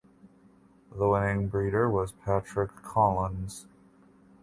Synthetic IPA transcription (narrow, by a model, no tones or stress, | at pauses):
ðəwɪ̃nɪ̃ŋbɹiɾə˞wʌz̥pʰæt͡ʃɹ̥ɨkʰɑlˠə̃nz̥